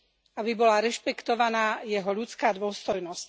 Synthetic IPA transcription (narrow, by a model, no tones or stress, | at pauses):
abibɔlaɾɛʃpɛkt̪ɔʋanaːjɛɦɔʎut͡skaːd̪ʋʊɔst̪ɔjnɔsc